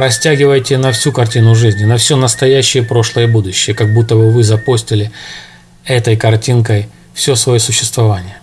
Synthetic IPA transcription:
ɾɐsʲtʲæɡʲɪvəjtʲɪnɐfsʲukɐrtʲinʊʐɨzʲnʲɪnɐfsʲo̞nəst̪ɐjæɕːɪjəpɾo̞ʂlˠəjəbud̪ʊɕːɪjəkɐɡ̚but̪ːəbɨvɨzɐposʲtʲɪlʲɪ | ɛt̪əjkɐrtʲinkəj | fsʲosvɐjosʊɕːɪ̥st̪vɐvanʲɪjə

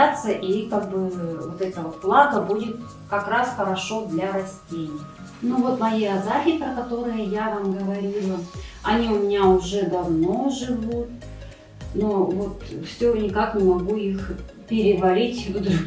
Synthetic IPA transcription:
at̪səʔikaɡ̚bɨvot̪ɛt̪əot̪̚plˠat̪əbudʲɪt̪̚ | kɐkɾasxəɾɐʂo̞d̪lʲɐɾɐsʲtʲenʲɪjə | nuvo̞t̪mɐjiɐzafʲɪpɾəkɐt̪o̞ɾɨjʊjavamɡəvɐɾʲilˠəɐ̰nʲiʊmʲɪnʲaʊʐɛd̪ɐvno̞ʐɨvut̪̚ | novo̞t̪fsʲonʲɪkaknʲɪmɐɡuix | pʲɪɾʲɪvɐlʲitʲvd̪

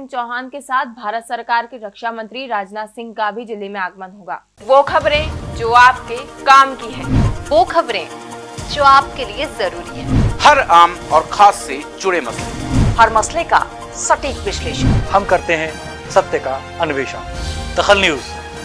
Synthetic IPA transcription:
nt͡ʃɔːɦaːnkesaːt̪̚ʰbʱaːɾət̪sɐɾkaːɾkeɾɐkʃamɐ̃nt̪ɾiɾaːd͡ʒnaːt̪sɪ̃ŋɡkabʱid͡ʒɪlːemẽaːɡmənɦoːɡa̰ː | ʋoːkʰɐbɾẽd͡ʒoːaːpkekaːmkiɦɛ̃ːʋoːkʰɐbɾẽd͡ʒoːaːpkeliezɐɾuːɾiɦɛ̰̃ːhɐɾaːmɔːɾxʰaːsːed͡ʒʊɽemɐslḛhɐɾmɐsleka̰ | sɐʈiːkʋɪʃleːʃənhɐmkɐɾt̪eɦɛ̃ | sɐt̪jəka | ɐnʊʋeːʃa̰ːd̪̥ɐxəlnjuːz

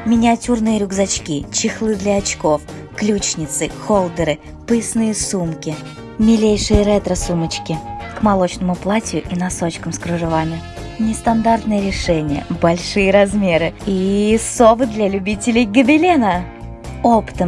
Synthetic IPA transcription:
mʲɪnʲɪɐtʲurnɨjəɾʲʊɡzɐt͡ɕkʲit͡ɕɪxlˠɨd̪lʲɐːt͡ɕko̞f | klʲut͡ɕnʲɪt̪sɨxolˠd̪əɾɨ | pɨɪsnɨjəsumkʲɪ | mʲɪlʲejʂɨjəɾɛt̪ɾəsumət͡ɕkʲɪkmɐlˠot͡ɕnəmʊplˠatʲjʊʔinɐsot͡ɕkəmskɾʊʐɨvamʲɪ | nʲɪst̪ɐnd̪art̪nɨjəɾʲɪʂɛnʲɪjə̰bɐlʲʂɨjəɾɐzmʲeɾɨisovɨd̪lʲalʲʉbʲitʲɪlʲɪjɡəbʲɪlʲenə | opɨ̥t̪əm

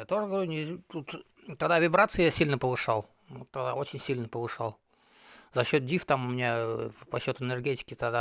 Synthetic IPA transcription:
jat̪o̞ʐəɡəvɐɾʲunʲɪt̪ut̪ | t̪ɐɡd̪avʲɪbɾat̪sɨɪjasʲilʲnəpəvɨʂalˠ | ot̪ːɐɡd̪ao̞t͡ɕɪnʲsʲilʲnəpəvɨʂalˠ | zɐɕːo̞t̪̚dʲift̪amʊmʲɪnʲapɐɕːo̞t̪ʊɪnʲərɡʲetʲɪ̥kʲɪt̪ɐɡd̪a

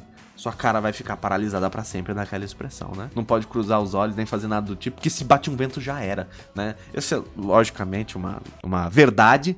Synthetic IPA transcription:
suɐkaɾɐvajfikaɾpaɾalizad̪ɐpɾɐsẽmpɾɪd̪akɛlɐɪspɾesɐ̰̃w̃nɛnɐ̃w̃pɔd͡ʒɪkɾuzaɾʊzɔʎʊsnẽj̃fazeɾnad̪ɐd̪ʊt͡ʃipʊ̥kɪsɪbat͡ʃɪũvẽnt̪ʊʒaɛɾɐ | nɛ | ḛsʊɛlɔʒikɐmẽnt͡ʃɪũmɐ̰ṵ̃mɐveɾd̪ad͡ʒɪ

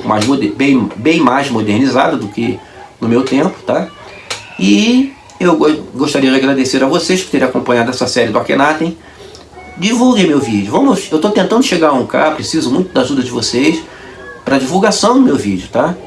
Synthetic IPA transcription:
kmajzmod̪bẽj̃bẽj̃majzmod̪eɾniza̰d̪ɐd̪ʊkɪ | nʊmewt̪ẽpʊ̥t̪a | ɪ | ewɡoʃt̪aɾiɐd͡ʒɪaɡɾad̪eseɾɐvosejʃpʊ̥t̪eɾ̃akõmpɐ̃ɲad̪ʊɛsɐsɛɾɪd̪ʊakenat̪ẽj̃ | d͡ʒivuwɡemewvid͡ʒʊvɐ̃mʊsewt̪ot̪ẽnt̪ɐ̃nd̪ʊʃeɡaũka̰pɾesizʊmũj̃t̪ʊd̪aʒud̪ɐd͡ʒɪvosejs | pɾɐd͡ʒivuwɡasɐ̃w̃d̪ʊmewvid͡ʒʊt̪a

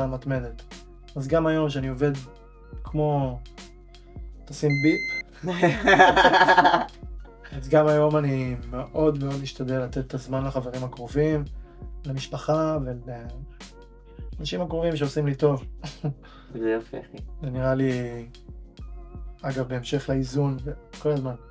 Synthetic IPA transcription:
amat̪medet̪ | azɡamajo̞mʃeaniove̞d̪ | kʰmo̞ | t̪asimbi | azɡamajo̞manimeʔo̞d̪meo̞d̪miʃt̪ad̪elːat̪et̪etazmanleχaveʁimakʁovimlemiʃpaχavele | anaʃimakʁovimʃeosimlit̪o̞v | zɛjafḛzeniʁali | aɡavbe̞emʃe̞χleizunveko̞lazman

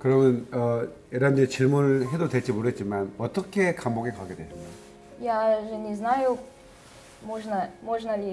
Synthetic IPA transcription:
kɯɾʌmɯnʌjeɾandet͡ɕiɭmunɯɭɦe̞dodwet͡ɕ͈imoɾɯet̚t͡ɕimanʌt͈ʌkʰe̞kamboɡikaɡedwed͡ʑama | jaʒɛnɛznaju | moʒnamoʒnali

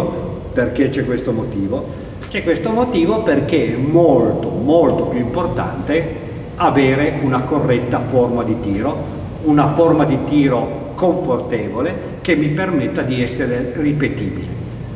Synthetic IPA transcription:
perket͡ʃɛkwest̪omot̪iːvo | t͡ʃɛkːwest̪omot̪iːvoperk̟eɛmolt̪omolt̪opjuimport̪a̰nt̪e | aveːɾeʔunakorːɛt̪ːaformad̪it̪iːɾo | unaformad̪it̪iːɾo | koɱfort̪eːvole | kemːipermet̪ːad̪iɛsːeɾeripet̪iːbile

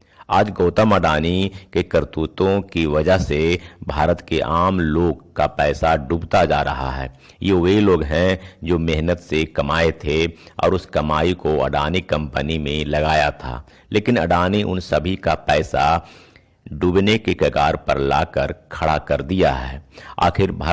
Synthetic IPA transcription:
aːd͡ʒɡoːt̪əməɖaːnikekəɾt̪ut̪õkiʋɐd͡ʒəɦsebʱaːɾət̪keʔaːmloːɡkapɛːsaɖuːbt̪ad͡ʒaːɾɐɦa̰ɦɛ̰ː | jeʋiloːɡɦɛ̃d͡ʒoːmeɦnət̪sekɐmaːet̪ʰeɔ̰ːɾʊskɐmaːikoɐ̰ɖaːnikɐ̃mpənimẽlɐɡaːjat̪ʰa̰ː | lʔeːkɪnɐ̰ɖaːniʔʊ̰nsəbʱikapɛːsa | ɖuːbnekekəkaːɾpə̰ɾla̰ːkəɾkʰɐɽakɐɾd̪ija̰ɦɛːa̰ːkʰɪɾbʱaː

